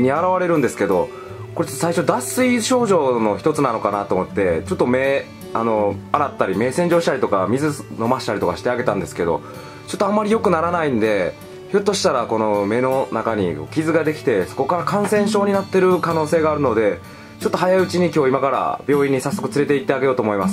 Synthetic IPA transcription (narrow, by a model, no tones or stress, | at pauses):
ɲ̟iaɾaβaɾe̞ɾɯ̟̃nd̪e̞sɨ̥ke̞d̪o̞ | ko̞ɾe̞t͡ɕot̪ːosaiɕod̪asɨiɕo̞ːʑo̞ːno̞çi̥t̪o̞t͡sɨnano̞kanat̪o̞ːmo̞t̪ːe̞t͡ɕo̞t̪ːo̞me̞ː | ano̞aɾat̪ːaɾʲime̞ːsẽ̞ɲ̟d͡ʑo̞ːɕit̪aɾʲit̪o̞kamʲizɨno̞maɕi̥t̪aɾʲit̪o̞ka̰ɕi̥t̪e̞aɡe̞t̪ãnd̪e̞sɨ̥ke̞d̪o̞̰ | t͡ɕo̞t̪ːoamːaɾʲijo̞kɯ̟naɾanaĩnd̪e̞ | çot̪ːo̞ɕi̥t̪aɾako̞no̞me̞no̞nakaɲ̟iko̰ːkʲizɨɡad̪e̞kʲi̥t̪e̞so̞̥ko̞kaɾakãɰ̃sẽ̞ɰ̃ɕ̬o̞ːɲ̟inat̪ːe̞ɾɯ̟kano̞ːseːɡaːɾɯ̟no̞d̪e̞ | t͡ɕo̞t̪ːo̞ɦajaiɯ̟t͡ɕiɲ̟ikʲo̞ːimakaɾa̰b̥ʲjo̞ːĩɲ̟ːisasːo̞kɯ̟t͡sɨɾe̞t̪e̞it̪ːeaɡe̞jo̞ːt̪oːmo̞imasɨ